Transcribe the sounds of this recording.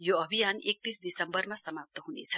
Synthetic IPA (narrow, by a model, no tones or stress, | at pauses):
joʌbʱijanek̚t̪isd̪isʌmbʌrmasʌmap̚t̪ʌɦunḛt͡sʰʌ̥